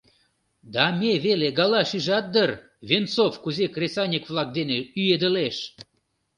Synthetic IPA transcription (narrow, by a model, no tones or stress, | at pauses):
d̪ɑmʲeβeleɡɑlɑʃiʒɑt̪̚d̪ər | βʲent͡sofkuzekrʲesɑnʲikvlɑk̚d̪eneyjed̪əleʃ